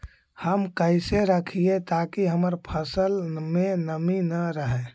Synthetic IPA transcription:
həmkəɪseɾəkʰiet̪akiɦəməɾpʰəsəlmẽnəminəɾəɦɛ

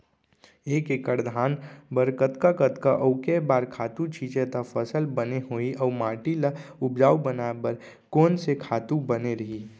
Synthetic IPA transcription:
eːkekəɾd̪ʱaːnbəɾkət̪kakət̪kaʔəʊkebaːɾkʰaːt̪ũt͡ʃʰiːt͡ʃet̪apʰəsəlbəneɦoːiʔɔːmaːʈilaʊp̚d͡ʒaːubənaːebəɾ | koːnsekʰaːt̪ũbəneɾɐɦi

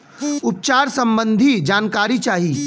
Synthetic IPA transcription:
ʊp̚t͡ʃaːɾsɐ̃mbə̃nd̪ʱid͡ʒaːnkaːɾit͡ʃaːɦiː

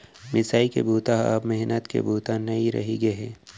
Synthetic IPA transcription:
mɪsaːikḛbʱuːt̪aɦa̰ːpmɛɦnət̪kḛbʱuːt̪anɐĩɾɐ̰ɦiɡɐɦɛ̃ː

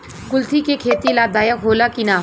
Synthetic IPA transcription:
kʊlt̪ʰikekʰeːt̪ilad̪aːjəkɦoːlakinaː

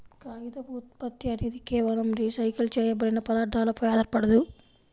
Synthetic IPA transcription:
kaːjid̪ɐbuːt̪̚pɐt̪ːiɐnid̪ikɛːʋɐlɐmɾiːsɐjkɐlt͡ʃɛːjɐbɐɽinɐpɐd̪aːɾd̪aːlɐpɐjaːd̪ɐɾpɐɽɐd̪u

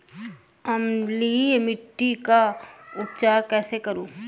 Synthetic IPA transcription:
ɐmliemɪʈːikaʊp̚t͡ʃaːɾkɛːsekɐɾũː

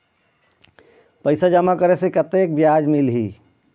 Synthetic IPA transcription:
pəɪsad͡ʒəmakəɾesekət̪ek̚bjad͡ʒmilɦi

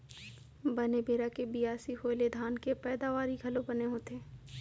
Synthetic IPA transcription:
bɐnebeːɾakebijaːsiɦoːled̪ʱaːnkepɛːd̪aʋaːɾiɡʱɐlobɐneɦoːt̪eː

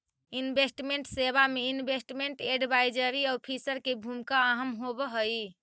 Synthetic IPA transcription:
inbʱesʈmeɳʈseβameinbʱesʈmeɳʈeɖbajd͡ʒəɾiauɾpʰisəɾkebʱumkaːɦəmɦobəɦəj

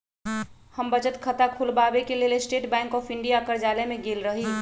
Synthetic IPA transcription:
həmbət͡ʃət̪kʰət̪akʰulbabekelelesʈeʈbɛ̃ŋkɔːpʰɪɳɖijakəɾd͡ʒaːlemẽɡeːlɾəɦi

